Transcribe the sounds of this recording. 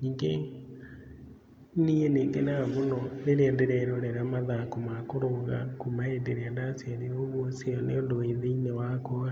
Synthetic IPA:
ɲiːŋɡe | nieneːŋɡenamonɔneɾeɛndeɾɛɾoɾɛɾamaðakomakoɾoɣa̰komaendeɾeɛndasaɾeoβwɔseɔneondoeðeinewakoa

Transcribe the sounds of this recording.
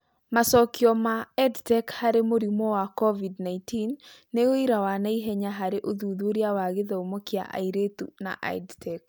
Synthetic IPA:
masɔkjɔmaɛdtɛkhaɾemoɾimɔwakɔvidnaintinːeoiɾawanaiɦɛɲaɦaɾeʔoðuðoɾjawaɣeðaomokia̰ʔa̰iɾetṵna̰ʔa̰dtʰɛk̚

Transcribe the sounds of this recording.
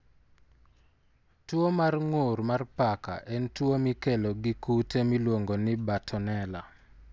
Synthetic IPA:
twomarŋoɾmarpaka̰ʔɛntwomikeloɡɪkutemilwoŋɡonɪbatʰɔnɛla̰

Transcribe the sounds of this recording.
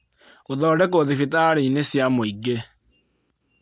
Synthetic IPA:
oðɔːɖɛkoðefitaɾeinesjamoiɡe

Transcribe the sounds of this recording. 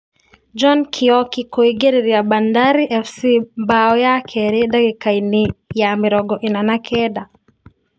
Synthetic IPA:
d͡ʒɔnkʰiɔkikɔiɡɛɾiɾiabandaɾiʔɛfsibaɔjakʰɛɾiɗakikainijamiɾɔɡɔʔinanakʰɛɗa

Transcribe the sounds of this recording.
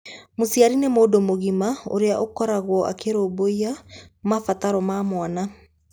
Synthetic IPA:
mosiaɾinemoːdomoɣimao̰ɾeaʔokɔɾaɣwɔʔa̰keɾoːboiamafataɾɔmaːmwana

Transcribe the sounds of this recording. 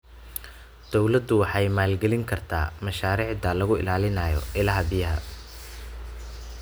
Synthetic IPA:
d̪̥ɔwlɐd̪ʊwɑħɑjmaːlɡɛlɪŋkʰɐrt̪ʰa̰ːmɐʃaːɾiːʕd̪ɐlɐɣʊɪ̰laːlɪnaːjɔ̰ʔɪlɐɦɐbɪjɐɦɐ̰

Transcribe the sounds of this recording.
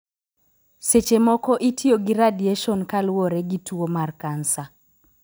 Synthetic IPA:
set͡ʃemɔkɔʔitʰioɡiɾadjeʃɔnkalwoɾeɡitwomarkansa

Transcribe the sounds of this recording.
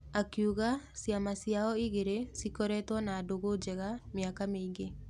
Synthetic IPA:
akjuɣasjamasjaɔiɣeɾesikɔɾɛtwɔnaːdoɣod͡ʒɛɣamjakameiŋɡe

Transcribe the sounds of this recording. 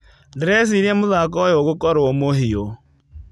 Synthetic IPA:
dɾɛs̬iɾɛmoðakɔjɔɣokɔɾooːmoɦio

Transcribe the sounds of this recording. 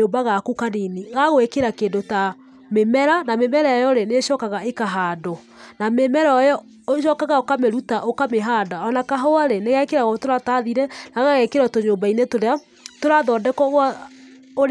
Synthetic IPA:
oːbaɣakukaniniɣaɣoekeɾakeːndota | memɛɾanamemɛɾaɔjɔɾeneʃɔːkaɣaekaɦaːdɔ | namemɛɾɔɔjɔ | oʃɔkaɣaokameɾutaʔokameɦaːdaɔnakaɦɔaɾeneɣɛkeɾaɣɔtoɾataðiɾɛnaɣaɣɛkeɾɔtoɲoːmbainetoɾea | toɾaðɔːdɛkɔɣwa | oɾ

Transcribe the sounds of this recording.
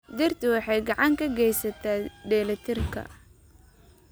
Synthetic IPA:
d̪ɪrt̪ɪwɑħɑjɡɑʕɑŋkʰɐɡɛjsɐt̪ʰaːɖ̪ɛːlɐt̪ʰɪrkʰɐ̰

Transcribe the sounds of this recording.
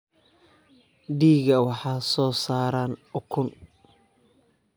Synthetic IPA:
ɖiːɣɐwɑħɑːsɔːsaːɾaːnʊkʰʊn

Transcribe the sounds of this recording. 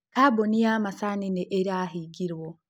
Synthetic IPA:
kabonijamasanineʔeɾiaɦiɡiɾwo

